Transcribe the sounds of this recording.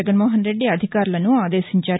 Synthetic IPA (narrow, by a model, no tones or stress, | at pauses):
əɡənmoːɦənɾeːɖiːaːd̪ʱɪkaːɾlanũːaːd̪eːsəɲt͡ʃaː